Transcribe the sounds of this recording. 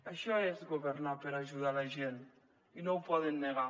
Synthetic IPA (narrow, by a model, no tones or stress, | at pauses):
aʃɔezɡoβeɾnapeɾaʒuðalaʒen | inowpɔðenːeɣa